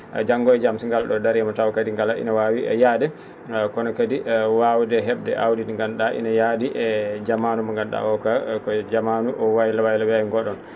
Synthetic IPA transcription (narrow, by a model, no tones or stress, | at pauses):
d͡ʒaŋɡɔjd͡ʒamsiŋɡalɗɔdaɾjamɔtawkadiŋɡalaʔḭnawawiɛ̰jaːdɛ | kɔnɔkadiʔwawdɛɦɛbdɛ̰ʔawdinŋɡanɗaʔḭnajadiʔɛd͡ʒamanumaŋɡanɗa̰ɔkakɔd͡ʒamanuʔɔwajilawajlawɛɛŋɡɔɗɔn